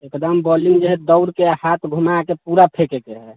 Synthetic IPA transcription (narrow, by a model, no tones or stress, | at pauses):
ekd̪əmbɔliŋɡd͡ʒeɦɛd̪əʊɾkeaɦat̪ʰɡʱumakepuɾapʰekekeɦɛ